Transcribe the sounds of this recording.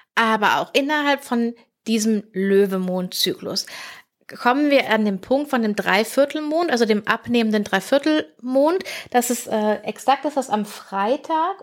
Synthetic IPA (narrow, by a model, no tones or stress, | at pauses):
ʔaːbɐʔa̰ʊxʔɪnɐɦalpfɔn | d̥iːzəmløːvəmoːnt̚t͡sy̰ːklʊ̰s | kʰɔmənviːɐʔandeːmpʰʊŋk̚tfɔndeːmdʁaɪfɪɐtl̩moːntʔalzodeːmʔapneːməndəndʁaɪfɪɐtl̩moːntd̥asɛsʔɛːʔɛksak̚tɪsv̥asamfʁ̥aɪtʰaːk